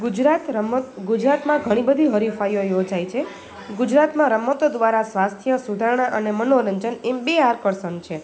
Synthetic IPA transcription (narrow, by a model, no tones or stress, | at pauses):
ɡud͡ʒɾat̪ɡud͡ʒɾat̪mãɡʱəɽ̃ibəd̪ʱiɦəɾifajojod͡ʒajt͡ʃʰe | ɡud͡ʒɾat̪mãɾəmət̪od̪ʋaɾasʋast̪ʰijəsud̪ʱaɾɳaʔənemənoɾəɲd͡ʒənembeaɾkəɾsənt͡ʃʰe